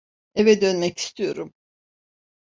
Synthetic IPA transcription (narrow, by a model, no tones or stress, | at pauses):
evɛd̪ø̞nmɛci̥st̪ʰijo̞ɾum